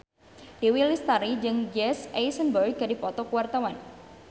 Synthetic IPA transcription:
diwilist̪aɾid͡ʒɨŋd͡ʒɛsajsənbərɡ̚adipɔt̪ɔkuwart̪awan

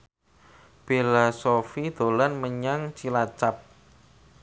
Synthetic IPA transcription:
b̥elasofid̪̥o̤lanməɲaŋt͡ʃilat͡ʃap̚

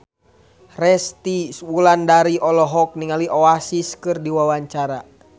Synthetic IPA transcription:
rɛst̪iswulandaɾiʔɔlɔɦɔk̚niŋaliʔɔasiskɨrdiwawaɲt͡ʃaɾa

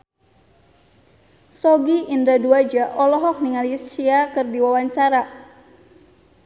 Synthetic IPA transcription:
sɔɡiːndɾaduad͡ʒaʔɔlɔɦɔk̚niŋalisiakɨrdiwawaɲt͡ʃaɾa

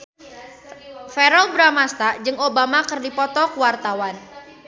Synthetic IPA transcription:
fɛɾɔlbɾamast̪ad͡ʒɨŋobamakɨrdipɔt̪ɔkuwart̪awan

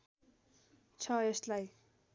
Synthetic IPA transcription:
t͡sʰʌeslaj

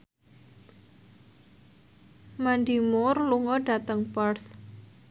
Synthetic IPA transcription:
mandimʊrluŋɔɖ̥a̤t̪əŋparθ

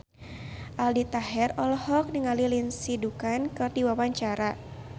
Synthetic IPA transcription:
ʔaldit̪aɦɛrɔlɔhɔk̚niŋalilinsidukankɨrdiwawaɲt͡ʃaɾa

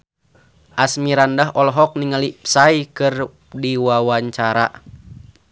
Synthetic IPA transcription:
ʔasmiɾandaɦɔlɦɔk̚niŋalipsaikɨr | diwawaɲt͡ʃaɾa̰

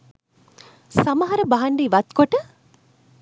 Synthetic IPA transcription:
sɐmɐɦɐɾəbɐɦɐɳɖiʋɐt̪koʈə

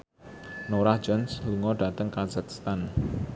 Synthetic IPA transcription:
noɾahd͡ʒɔnsluŋɔɖat̪əŋkazakst̪an

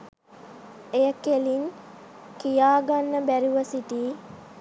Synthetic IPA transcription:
ejəkelin | kijaːɡanːəbæɾiʋəsiʈiː

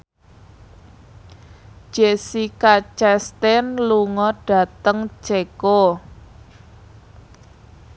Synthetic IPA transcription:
d͡ʒ̥esikat͡ʃɛst̪ɛnluŋɔɖ̥ä̤t̪əŋt͡ʃeko

